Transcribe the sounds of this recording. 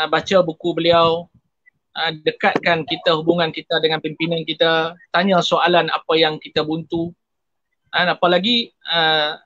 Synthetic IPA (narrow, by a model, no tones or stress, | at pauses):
əbat͡ʃabukubəliaw | ʔədəkat̪̚kankit̪aɦubuŋãnkit̪adəŋanpimpinankit̪at̪aɲãsoalana̰pajaŋkit̪abunt̪u | anapalaɡiə